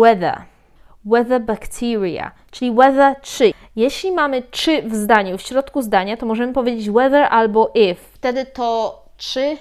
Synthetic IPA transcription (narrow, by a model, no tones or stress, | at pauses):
wɛd̪ɛ̰ | wɛðɛbakt̪ʰiɾja̰ | t͡ʂɘlʲiwɛðɛtʂɘ | jeɕlʲimamɘtʂɘvzd̪aɲufɕɾɔt̪kuzd̪aɲat̪ɔmɔʐɛmɘpɔvʲjed͡ʑet͡ɕwɛðɛɾʔalbɔʔifft̪ɛd̪ɘt̪ɔ | tʂɘ